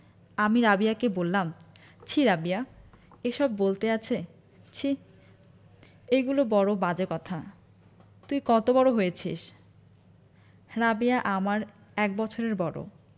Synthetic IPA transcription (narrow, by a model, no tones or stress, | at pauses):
amiɾabijakebolːam | t͡ɕʰiɾabia | eʃɔbːolt̪eat͡ɕʰe | t͡ɕʰi | eɡulobɔɽobad͡ʑekɔt̪ʰa | t̪ujkɔt̪obɔɽoɦojet͡ɕʰḭʃ | ɾabiaʔamaɾ | ɛk̚bɔt͡ɕʰoɾeɾbɔɽo̰